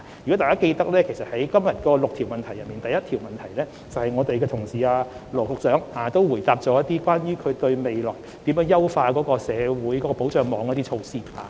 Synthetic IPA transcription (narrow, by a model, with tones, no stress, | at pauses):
jkɔ˨˥t̪aː˨˩kaː˥ke˧jt̪ɐ˥k̚lɛː˥kʰe˨˩sɐ˨t̚hɐ˨˥jkɐ˥mjɐ˨t̚kɔː˧lʊ˨k̚t̪ʰi˨˩wmɐ˨nt̪ʰɐ˨˩jɐ˨t̚miː˨nt̪ɐ˨jɐ˥t̪ʰiː˨˩wmɐ˨nt̪ʰɐ˨˩jlɛː˥ | t͡sɐ˨whɐ˨jŋɔː˨˧t̪e˨jkɛː˧t̪ʰʊ˨˩ŋsiː˨aː˧lɔː˨˩kʊ˨k̚t͡sœː˨˥ŋhaː˨˧t̪o˥wwuː˨˩jt̪aː˧p̚t͡sɔː˨˧˥jɐ˥t̪̚iː˥kʷwaː˥njyː˥kʰɵ˨˧ɥt̪ɵ˧ɥme˨jlɔ̰ː˨˩j | t̪iː˨˥mjœː˨˥ŋjɐ˥wfaː˧kɔː˨˥kɔː˧sɛː˨˧wuː˨˥jkɔ˨˦˥kɔː˧po˨˥wt͡ʃœː˨˧ŋmɔː˨˥ŋ˥t̪iː˥t͡ʃʰo˧wsiː˥haː˨˦